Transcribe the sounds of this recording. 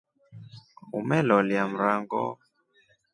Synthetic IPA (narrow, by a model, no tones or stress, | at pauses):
umɛlɔljam̩ɾaŋɡɔ̰